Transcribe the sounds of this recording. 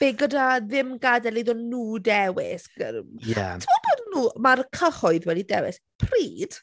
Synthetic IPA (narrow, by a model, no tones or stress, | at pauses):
b̥eɡədaðɪmɡadɛliðɔnːuːdɛwɪ̰sɡ̥əja̰tʰəmɔd̚boːdnuːmarkʰəhɔɨðwɛdidɛwɪ̰s | pʰriːd̥